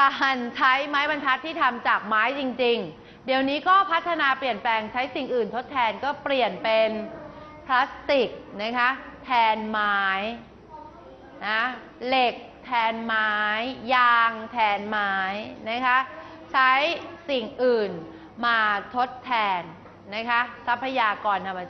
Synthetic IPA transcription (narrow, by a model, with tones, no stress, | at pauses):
kaː˧˩nt͡ɕʰa˦˥jmaː˦˥jba˧ntʰa˦˥t̪ʰːiː˥˩t̪ʰa˧mt͡ɕaː˨˩k̚maː˦˥jt͡ɕi˧ŋt͡ɕi˧ŋ | di˧əwniː˦˥kɔː˥˩pʰa˦˥t̪ʰːa˧naː˧pli˨˩ənplɛː˧ŋt͡ɕʰa˦˥jsi˨˩ŋʔɯː˨˩nt̪ʰo˦˥t̪ʰːɛː˧nkɔː˥˩pli˨˩ənpe˧npʰla˦˥st̪i˨˩k̚na˦˥kʰa˦˥t̪ʰɛː˧nmaː˦˥j | na˦ | le˨˩k̚t̪ʰɛː˧nmaː˦˥jːaː˧ŋt̪ʰɛː˧nmaː˦˥jna˦˥kʰa˦˥ʔ | t͡ɕʰa˦˥jsi˨˩ŋʔɯː˨˩n | maː˧t̪ʰo˦˥t̪ʰːɛː˧nː | a˦˥kʰa˦˥sa˦˥pʰːa˧jaː˧kɔː˨˩nt̪ʰa˧mːa˧